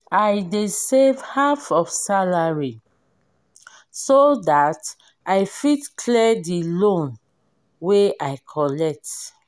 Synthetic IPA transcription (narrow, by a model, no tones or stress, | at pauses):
ajdesevhafɔfsalaɹi | sodat | aɪfitkʰlɛdilõn | weʔajkʰɔlɛk̚t